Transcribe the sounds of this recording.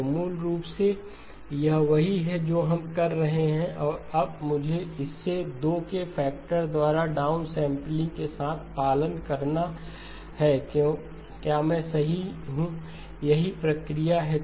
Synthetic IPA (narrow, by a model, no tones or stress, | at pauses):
muːlɾuːpse | jɐɦʋɐɦiɦɛd͡ʒoːɦɐmkɐɾːɐɦeɦɛ̃ʔɔːɾɐb̚mʊd͡ʒʱeɪsːed̪oːkefʰɛːk̚ʈəɾd̪waːɾaɖaːʊnsɛ̃ːmplɪ̃ŋɡkesaːt̪ʰpaːlənkɐɾna | hɛːkjõ | kjaːmɛ̃ːsɐɦiɦũ | jɐɦipɾɐkɾijaɦɛ